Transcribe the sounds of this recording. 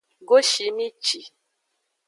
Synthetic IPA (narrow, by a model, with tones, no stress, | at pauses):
ɡo˦ʃi˨mi˦t͡ʃi˨